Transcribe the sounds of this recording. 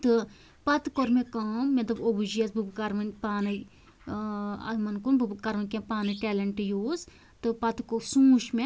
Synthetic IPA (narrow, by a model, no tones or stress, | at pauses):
t̪ɨ | pɐt̪koɾmẽkaːmːɐt̪ɐbobud͡ʒijɐsbɨbkɐɾmɐnpaːnɐj | ɐ̰mɐnkunbɨbkɐɾmɐnʲkʲẽːpaːnɐʈɛːlɐɳʈjoːz | t̪ɨpɐt̪kosũːʃmẽ